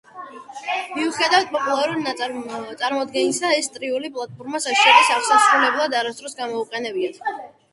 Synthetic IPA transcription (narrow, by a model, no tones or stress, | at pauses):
miuχɛd̪avat̪̚pʼɔpʼulˠaɾud̪nat̪sʼaɾmɔd̪ɡɛnisaɛst̪ʼɾiulipʼlˠat̪̚ʰʼbuɾmasaʃiɔɾisaʁsasɾulɛblˠad̪aɾast̪ʼɾɔsɡamɔuqʼɛnɛbiat̪ʰ